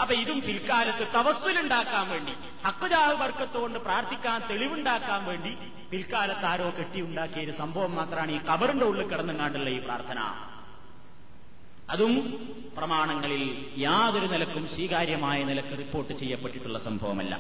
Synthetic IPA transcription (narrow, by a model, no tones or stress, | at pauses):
ɐpːɐiðumpilkaːlɐt̪ːɨt̪ɐʋɐsːiluɳɖaːkːaːnʋe̞ːɳɖi | hɐkːuðaːɦɨbɐrkːɐt̪ːuɣo̞ɳɖɨpraːɾt̪ʰikʲːaːnt̪e̞ɭiʋuɳɖaːkːaːnʋe̞ːɳɖi | pilkaːlɐt̪ːaːɾo̞ːkeʈːijuɳɖaːkːijɐiɾusɐmbʱɐʋɐmːaːt̪rɐmaːɳiːkɐbɐruɳɖe̞uɭːɨkːɐɽɐnːɨkaːɳɖiɭːɐiːpra̰ːrt̪ʰɐnɐ̰ | ɐðum | prɐmaːɳɐŋːɐɭil | jaːðoɾunilɐkːumswiːkaːɾjɐmaːjɐnilɐk̪ːɨripːo̞ːrʈːɨt͡ɕe̞jːɐpːeʈːiʈːuɭːɐsɐmbʱɐʋɐ̰mɐ̰lːɐ̰